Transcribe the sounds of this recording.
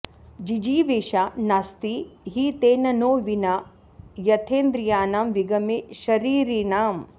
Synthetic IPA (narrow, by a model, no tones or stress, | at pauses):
d͡ʒid͡ʒiːʋeːʃanast̪iɦit̪eːnɐnoːʋina | jɐt̪ʰeːnd̪ɾijaːnaːmʋiɡɐmeʃɐɾiːɾinaːm